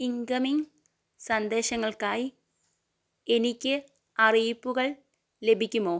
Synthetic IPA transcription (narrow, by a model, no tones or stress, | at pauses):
iŋkɐmiŋ | sɐnd̪e̞ːɕɐŋːɐɭkaːji | enikʲːɨ | ɐrijpːuɣɐɭ | le̞bʱikʲːumoː